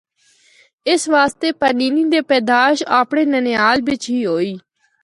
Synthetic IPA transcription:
ɪsʋaːst̪eːpəniːnĩːd̪eːpɛːd̪aːʃaːpɽeːnənejaːlʋɪt͡ʃɦiːɦoːiː

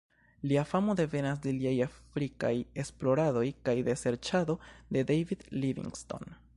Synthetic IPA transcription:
liafamo̞de̞ve̞nas̬de̞liajafɾika̰je̞splo̞ɾado̞jkajde̞se̞ɾt͡ʃado̞de̞dejvid̪livḭŋɡsto̞̰n

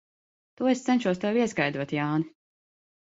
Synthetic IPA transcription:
t̪uɔest̪sɛnʲʃuɔst̪ɛwiɛskajd̪uɔt̪jaːni

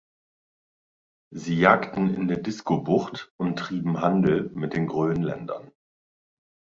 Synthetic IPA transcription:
ziːjaːktn̩ɪ̰ndeːɐdɪskobʊχtʔʊntʁ̥iːbm̩ɦandl̩mɪt̚d̥eːnɡʁøːənlɛ̰ndɐn

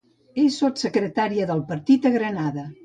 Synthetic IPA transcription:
esot̪səkɾət̪aɾiəðəlˠpəɾt̪it̪əɣɾənaðə

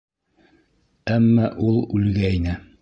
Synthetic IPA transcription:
æmːɑʔulˠʉlɡæinɘ

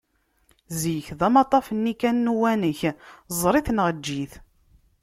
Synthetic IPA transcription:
zjəçðæmɑt̪ˤːɑfənːikænːuwænəçzˤɾˤiθənʁəd͡ʒːiθ

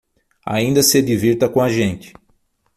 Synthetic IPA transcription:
a̰ĩnd̪ɐsed͡ʒ̪iviɾt̪ɐkõaʒẽnt͡ʃɪ̥

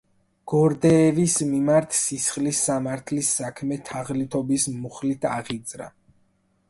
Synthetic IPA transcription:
ɡ̥ɔɾd̪ɛːvismimaɾt̪ʰsisχlisːamaɾt̪ʰlisːakʰmɛt̪ʰaʁlit̪ʰɔbismuχlit̪ʰaʁid̪zɾa̰

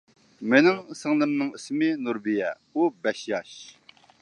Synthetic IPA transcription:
mɪnɪŋsɨŋlˠɨmnɨŋismɪnuɾbijɛ | ubɛʃjɑʃ

